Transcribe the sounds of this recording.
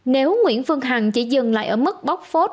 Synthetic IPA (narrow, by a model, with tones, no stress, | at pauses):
ne˨˦wŋwḭ˧˥ənfɨ˧əŋɦa˨˩ŋt͡ɕi˧˩˦zɨ˨˩ŋla̰ː˧˨jʔəː˧˩mɨ˦˥k̚ɓa˦˥wk͡p̚fo˦˥t̚